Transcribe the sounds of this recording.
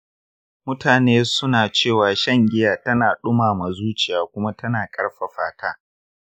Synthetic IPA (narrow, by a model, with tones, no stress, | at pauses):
mʊ˦tʰaː˨neː˦sʊ˦naː˨t͡ʃeː˦˨waː˨ʃɐ˦˨ŋɡʲɪ˦jaː˨tɐ˦naː˨ɗʊ˦maː˨ma˨zuː˦t͡ʃɪ˨jaː˨kʷʊ˦ma˦tɐ˦naː˨kʼɐ˦ɽɸɐ˨ɸaː˨tʰaː˦